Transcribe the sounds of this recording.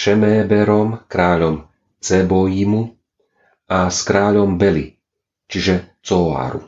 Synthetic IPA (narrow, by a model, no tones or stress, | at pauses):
ʃɛmɛːbɛɾɔmkɾaːʎɔm | t͡sɛbɔjimu | askɾaːʎɔmbɛlḭ | t͡ʃiʒɛt͡sɔa̰ːɾṵ